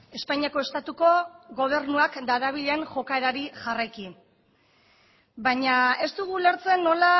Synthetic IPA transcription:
e̞spaɲiako̞e̞st̪at̪uko̞ɣo̞β̞e̞ɾnuakd̪aɾaβ̞iʎeenʝo̞kae̞ɾaɾiʝarajki | baɲae̞st̪uɣ̞ule̞ɾt͡se̞nːo̞la

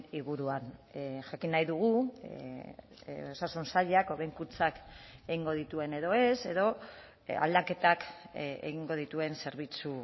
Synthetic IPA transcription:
iɣuɾuanʝakinajðuɣ̞u | o̞sasunsaʎako̞βeŋkut͡sakeɣiŋɡo̞ð̞it̪ue̞ne̞ðo̞e̞se̞ðo̞ | a̰ld̪ake̞t̪akḛɣiŋɡo̞ð̞it̪ue̞nse̞ɾβ̞it͡su

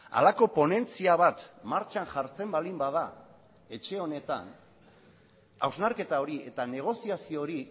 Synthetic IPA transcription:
a̰lako̞po̞ne̞nt͡siaβ̞at̪maɾt͡ʃanʝaɾt͡se̞mbalimbaða | e̞t͡ʃe̞o̞ne̞t̪a̰n | a̰wznaɾke̞t̪ao̞ɾie̞t̪ane̞ɣ̞o̞siasio̞ɾi

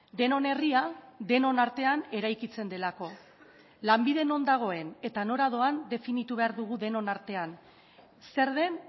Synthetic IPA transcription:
d̪e̞no̞ne̞riaðe̞no̞naɾt̪e̞ane̞ɾajkit͡send̪e̞lako̞ | lambiðe̞no̞nd̪aɣ̞o̞e̞ne̞t̪ano̞ɾaðo̞and̪e̞finit̪uβe̞aɾðuɣ̞uðe̞no̞naɾt̪e̞an | se̞ɾðe̞n

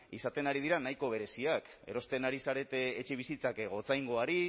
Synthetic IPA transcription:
isat̪e̞naɾið̞iɾanajko̞βe̞ɾe̞siake̞̰ɾo̞st̪e̞naɾisaɾe̞t̪e̞ːt͡ʃe̞β̞isit͡sakɣo̞t͡sajŋɡo̞aɾi

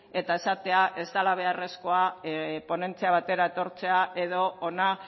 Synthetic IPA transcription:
e̞t̪ae̞sat̪e̞aʔe̞zt̪alaβ̞e̞are̞sko̞apo̞ne̞nt͡siaβ̞at̪e̞ɾae̞t̪o̞ɾt͡se̞ae̞ðo̞ːna

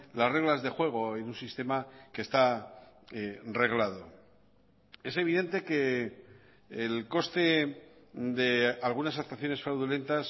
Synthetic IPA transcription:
lazre̞ɣlazðe̞xwe̞ɣ̞o̞enunsist̪e̞make̞st̪a | re̞ɣlaðo̞ | e̞se̞β̞iðe̞nt̪e̞ke̞ | lko̞st̪e̞ | d̪e̞alɣunasak̚t̪waθjo̞ne̞sfɾawðule̞nt̪as

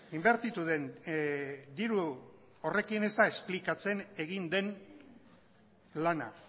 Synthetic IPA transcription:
imbe̞ɾt̪it̪uðe̞n | d̪iɾu | ore̞kine̞zt̪ae̞splikat͡se̞ne̞ɣind̪e̞n | lana̰

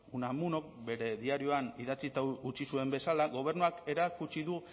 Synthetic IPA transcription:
unamuno̞k̚be̞ɾe̞ðiaɾio̞aniðat͡sit̪aut͡ʃisue̞mbe̞salaɣo̞β̞e̞ɾnuake̞ɾakut͡ʃiðu

